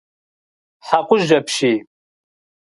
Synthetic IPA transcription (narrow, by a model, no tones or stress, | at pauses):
ħaqʷʊʒɐpʰʃiː